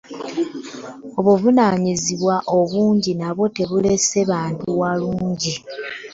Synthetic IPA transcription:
o̞βuvunaːɲiziβwaʔo̞βuːɲɟinaβo̞te̞βule̞se̞βaːntuwaluːɲɟi

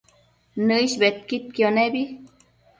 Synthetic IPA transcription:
nɨiʃbet̪̚kit̪̚kjonebi

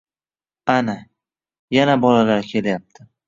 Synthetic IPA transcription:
ana | janabɒlalaɾkʲʰe̞lajap̚t̪ʰɪ

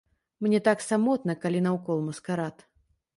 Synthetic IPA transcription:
mnʲɛt̪aksamɔt̪̚nɐkalʲinɐwkɔlˠmuskaɾat̪

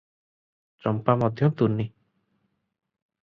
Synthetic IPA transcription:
t͡ʃɔmpamɔd̪ʱjɔt̪unːi

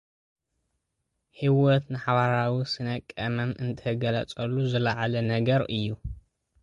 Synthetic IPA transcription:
ħiwɔt̪nɨħaβaɾawisɨnɐkʼːɐmɐmʔɨnt̪ʰɐɡɐlɐt͡sʼɐlːuzɨlaʕalɐnɐɡɐɾɨjːu

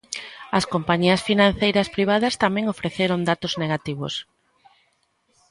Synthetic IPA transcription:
ɐskompaɲiɐsfinãn̟θejɾɐspɾiβ̞aðɐst̪amɛ̃ŋofɾeθeɾond̪at̪ozneɣat̪iβo̰s

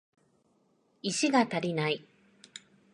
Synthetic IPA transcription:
iɕiɡat̪aɾʲinai

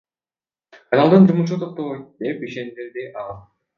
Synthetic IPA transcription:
ɑjɑlˠd̪ɯnd͡ʒumuʃuːt̪ʰoq̚t̪oβoj̪d̪e̞piʃe̞nd̪eɾd̪iʔɑlˠ

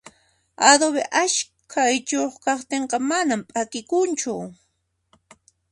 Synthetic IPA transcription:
ad̪oβḛʔaʃ | kʰajt͡ʃoχkɑχt̪eɴqɑmanampʼakɪkʊnt͡ʃʊ

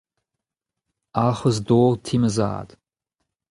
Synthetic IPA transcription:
aːχʷɔzdoːrtʰiːmɨza̰a̰d

